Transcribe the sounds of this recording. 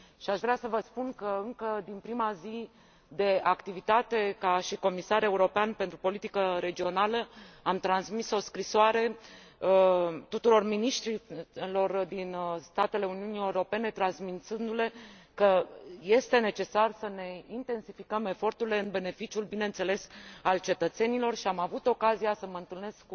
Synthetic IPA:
ʃiaʃvɾasəvəspunkəɨŋkəd̪inpɾimazi | d̪e̞akt̪ivit̪at̪e̞kaʃiko̞misaɾe̞uɾo̞peanpe̞nt̪ɾupo̞lit̪ikəɾe̞d͡ʒio̞naləamt̪ɾansmiso̞skɾisoaɾe̞ | ət̪ut̪uɾo̞rminiʃt̪ɾilo̞rd̪inst̪at̪e̞le̞uniunie̞uɾo̞pe̞ne̞t̪ɾansmint̪sɨnd̪ule̞kəje̞st̪e̞ne̞t͡ʃe̞sarsəne̞int̪e̞nsifikəme̞fo̞rt̪uɾile̞ɨnbe̞ne̞fit͡ʃiulbine̞ɨnt̪se̞le̞salt͡ʃe̞t̪ət̪se̞nilo̞rʃiamavut̪o̞kazijasəməɨnt̪ɨlne̞skk

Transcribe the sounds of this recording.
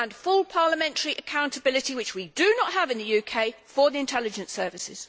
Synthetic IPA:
ə̃nfʊlˠpʰɑːləmɛ̃ntʰəɹiʔəkʰãʊ̃ntʰəbɪlɪtiwɪt͡ʃwidənəthəvɪ̃nðəjʉːkʰeɪfəðiɪ̃ntʰɛlɪd͡ʒə̃nsɜːˑvɪsɪ̰z̥

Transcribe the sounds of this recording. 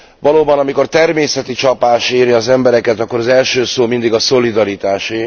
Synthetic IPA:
ʋɒloːbɒnɒmiko̞rt̪ɛrmeːsɛt̪it͡ʃɒpaːʃeːɾiɒzɛmbɛɾɛkɛt̪ɒkːoɾɒzɛlʃøːsoːmind̪iɡɒso̞lid̪ɒɾit̪aːʃi

